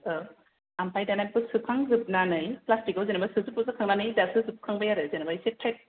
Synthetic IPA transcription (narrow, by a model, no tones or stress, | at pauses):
ampʰajdanapɯsɯkʰaŋzɯp̚nanɯjplastikawzenabasɯzɯpɯzɯkʰaŋnanɯjdasɯzɯp̚kʰaŋbajaɾɯzenabajsetʰɾet̚